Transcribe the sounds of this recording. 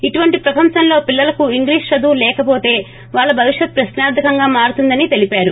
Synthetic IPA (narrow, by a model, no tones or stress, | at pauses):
iʈuʋɐɳʈipɾɐpɐmʃɐnlo̞ːpilːɐlɐkuiŋɡliːʂʃɐd̪uːlɛːkɐpo̞ːt̪e̞ː | ʋaːɭːɐbʱɐʋiʂjɐt̪̚ːpɾɐʃnaːɾd̪ʱɐkɐŋɡaːmaːɾut̪und̪ɐnit̪e̞lipaːɾu